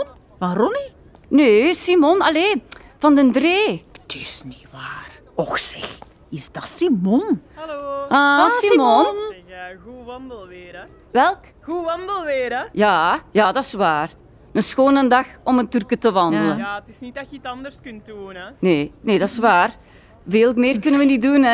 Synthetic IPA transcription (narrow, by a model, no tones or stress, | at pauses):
vanrɔni | neːsimɔnɑleːv̥ɑndəndreːtʰɪsniʋaːr | ɔxsɪ̰x | ɪsdɑsimɔnloasimɔnnɣuʋɑndəlˠʋɪːɾə | ʋɛlˠk | ɣuʋɑndəlˠʋɪːɾəjaːjaːdɑɪsʋaːr | dəsxoːnəndɑxɔməntyrkətəʋɑndələaətɪsnit̚dɑtjəitɑndərskʏntduːnəneːneːdɑsʋaːr | veːlmɪːrkɵnənʋənidunɛ